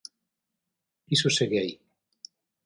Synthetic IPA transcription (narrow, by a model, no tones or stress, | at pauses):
isuseɣeaj